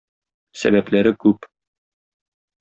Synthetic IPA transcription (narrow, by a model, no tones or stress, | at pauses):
sæ̰bæplæɾɘkʉp